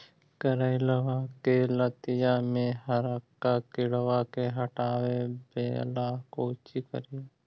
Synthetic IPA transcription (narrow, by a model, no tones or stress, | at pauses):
kəɾaɪləʋakelət̪ɪjamẽɦəɾəkːakɪɽʋakeɦɐʈaːwebḛːlakoːt͡ʃikə̰ɾi